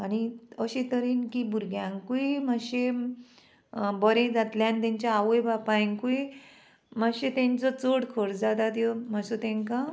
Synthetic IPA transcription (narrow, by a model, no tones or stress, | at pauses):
añiəɕẽt̪əɾiːnkibʱuɾɡjãŋkuimaɕe | bəɾẽd͡zat̪ljãnt̪ɛ̃ɲt͡ɕjaːʋəjbapajŋkui | maɡɕet̪ẽɲt͡sɔt͡soɽkʰəɽd͡zat̪at̪jɔmasɔt̪ẽŋka